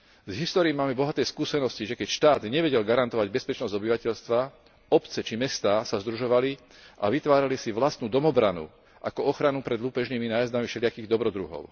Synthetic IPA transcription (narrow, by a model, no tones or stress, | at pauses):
zɦist̪ɔːɾiːmaːmɛbɔɦat̪ɛːskuːsɛnɔsciʒɛkɛcʃt̪aːd̪ɲɛʋɛɟɛlɡaɾant̪ɔʋaɟbɛspɛt͡ʃnɔzɟɔbiʋacɛʎst̪ʋa | ɔpt͡sɛt͡ʃimɛst̪aːsazd̪ɾuʒɔʋali | ʔa̰ʋit̪ʋaːɾalisiʋlast̪nuːd̪ɔmɔbɾanṵ | ʔa̰kɔɔxɾanupɾɛd̪luːpɛʒniminaːjazd̪amiʃɛlɪakiːɣd̪ɔbɾɔd̪ɾṵɦɔ̰ʊ